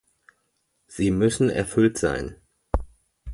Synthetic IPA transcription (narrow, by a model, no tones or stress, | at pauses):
z̥iːmʏsn̩ɛ̰ɐfʏltz̥a̰ɪn